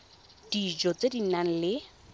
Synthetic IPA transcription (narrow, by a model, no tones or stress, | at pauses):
d̥id͡ʒot͡sedinan̩lɪ